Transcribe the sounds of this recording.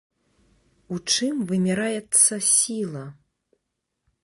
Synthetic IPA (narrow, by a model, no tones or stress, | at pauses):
ut͡ʂɨmvɨmʲiɾajɛt̪sːɐsʲilˠɐ